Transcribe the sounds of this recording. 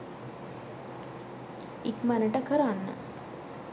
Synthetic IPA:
ikmænəʈəkəɾanːə̰

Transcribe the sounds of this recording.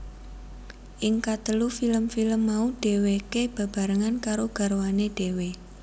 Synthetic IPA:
ʔɪŋkat̪əlufiləmfiləmːauɖ̥e̤wekeb̥ä̤b̥a̤ɾəŋankaɾoɡ̥a̤ɾowaneɖ̥e̤we

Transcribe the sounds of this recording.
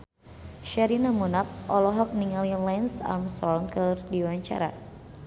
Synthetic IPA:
ʃɛɾinamunap̚ʔɔlɔɦɔk̚niŋalilɛnsa̰rmsɔlŋkɨrdiwaɲt͡ʃa̰ɾa̰

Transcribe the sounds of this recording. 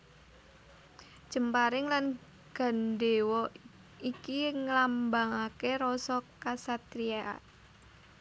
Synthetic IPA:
d̥ʒ̥ə̤mpaɾɪŋlan | ɡ̥a̤nde̤wɔ | ikiŋəlambaŋakeɾɔsɔkasat̪ɾiaʔa̰

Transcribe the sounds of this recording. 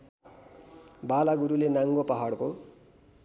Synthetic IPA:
balaɡuɾulenaŋɡopaɦʌɽko

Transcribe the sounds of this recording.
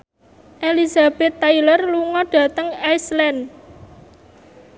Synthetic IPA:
ʔelizab̥ɛ̤t̪ːajlərluŋɔɖ̥ä̤t̪əŋajslɛn

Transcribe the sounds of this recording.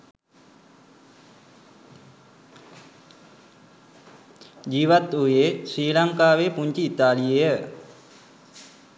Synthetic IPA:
d͡ʒiːʋat̪ujesiːlaŋkaːʋeːpuɲt͡ʃiːt̪aːliejə

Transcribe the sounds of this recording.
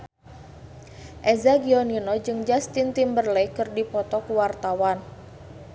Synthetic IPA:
ʔezaɡiɔninɔd͡ʒɨŋd͡ʒast̪int̪imbərlejkɨrdipɔt̪ɔkuwart̪awan

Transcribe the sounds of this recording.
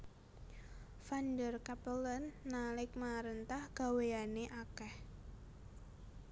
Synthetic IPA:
fandərkapələnːalɪk̚maɾənt̪ahɡ̥a̤weaneʔakɛh

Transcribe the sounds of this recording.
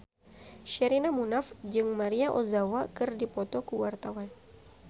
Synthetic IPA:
ʃɛɾinamunafd͡ʒɨŋmaɾiaʔozawakɨrdipɔt̪ɔkuwart̪awan

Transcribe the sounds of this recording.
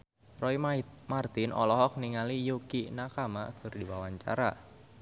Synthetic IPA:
rɔimart̪ɪnʔɔ̰lɔɦɔk̚niŋalijukinakamakʰərdiwawaɲt͡ʃa̰ɾa

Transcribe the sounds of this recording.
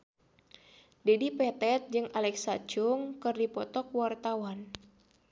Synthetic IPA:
dɛdipɛt̪ɛt̪̚d͡ʒɨŋalɛksat͡ʃʊŋkɨrdipɔt̪ɔkwart̪awan

